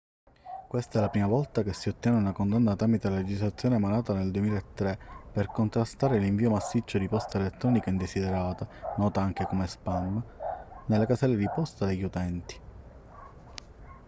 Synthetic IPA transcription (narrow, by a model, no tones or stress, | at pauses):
kwest̪aɛlapɾiːmavɔlt̪ak̟esːiot̪ːjɛːneunakond̪anːat̪ɾaːmit̪elaled͡ʒizlat̪sːjoːnemanaːt̪aneld̪uwemiːlaet̪ːɾeperkont̪ɾast̪aːɾeliɱviːomasːit͡ʃːod̪ipɔst̪aelet̪ːɾɔːnikaind̪esid̪ɛɾaːt̪anɔːt̪aaŋk̟ekomespamːnelːakasɛlːed̪ipɔst̪ad̪eʎːut̪ɛnt̪i̥